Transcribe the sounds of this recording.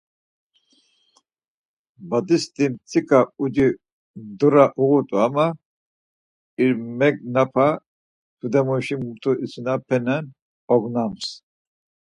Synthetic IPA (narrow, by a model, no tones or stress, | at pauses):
bad̪ist̪ʼimt͡sʰʼikʼaud͡ʒi | d̪uɾaʔuɣut̪ʼuama | iɾmɛknapʰa | t̪ʰud̪ɛmuʃimut̪ʰʼuʔit͡sʰunapʰɛnɛn | ɔɡnams